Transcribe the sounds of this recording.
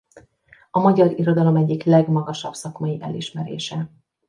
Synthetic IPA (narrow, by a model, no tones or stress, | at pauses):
ɒmɒɟɒɾiɾo̞d̪ɒlo̞mɛɟːiklɛɡmɒɡɒʃɒbsɒkmɒjiʔɛliʃmɛɾḛːʃɛ